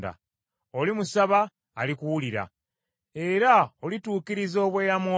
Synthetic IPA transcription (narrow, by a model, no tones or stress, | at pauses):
da̰ | olimusaβaː | likuwuliɾa̰ | e̞ɾaolituːkiɾizo̞ːβweːjamo